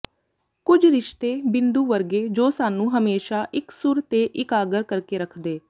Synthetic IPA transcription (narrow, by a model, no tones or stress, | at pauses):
kʊd͡ʒɾɪʃt̪eːbɪnd̪uːʋəɾɡeːd͡ʒoːsaːnũːɦəmeːʃaːʔɪksʊɾt̪eːʔɪkaːɡəɾkəɾkeːɾəkʰd̪eː